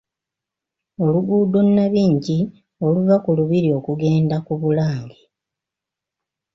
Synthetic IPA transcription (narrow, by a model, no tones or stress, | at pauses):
o̞luɡuːdo̞nːaβiːɲɟi | o̞luvakuluβiɾio̞kuɡe̞ːndakuβulaːŋɡi